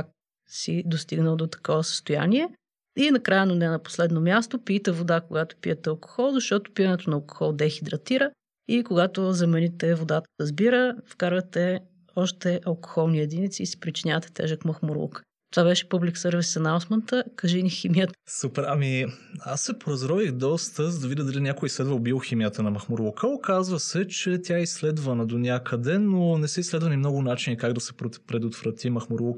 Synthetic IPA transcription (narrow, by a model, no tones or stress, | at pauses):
ak̚ | sid̪ost̪iɡnəlˠd̪ot̪ɐ̥kɔvəsə̥st̪oja̰niɛ | inɐkɾajənonɛnɐpo̥slɛd̪nomʲjast̪opit̪ɛvod̪akoɡat̪o̥pḭət̪ɛɐlˠko̥xɔlˠzɐʃt̪ɔt̪o̥pijənɛt̪onɐːlˠko̥xɔlˠd̪ɛxid̪ɾɐt̪iɾə | ikoɡat̪ozɛmɛnit̪ɛvod̪at̪ə̥ɐzbiɾəfkaɾvɐt̪ɛ | ɔʃt̪ɛʔɐlˠko̥xɔlˠniɛd̪init̪siːsi̥pɾit͡ʃinʲavət̪ɛ̥t̪ɛ̰ʒəkməxmoɾṵk | t̪ovavɛʃɛ̥pəbliksɤɾvisɐnawsmənt̪əkɐʒiniximijət̪supɛɾamiasːɛpoɾɐzɾɔvixd̪ɔst̪əzd̪ɐvid̪ʲəd̪ɐlinʲakʊislɛd̪vɐlbiximijət̪ənɐmɐxmoɾlˠukəokazvəsɛt͡ʃɛt̪ʲjaɛislɛd̪vɐnəd̪onʲjakəd̪ɛnonɛsɛislɛd̪vɐnimnɔɡʊnat͡ʃinikaɡd̪ɐsɛ̥ppɾɛd̪ot̪vɾɐt̪ʰimɐxmoɾlˠuk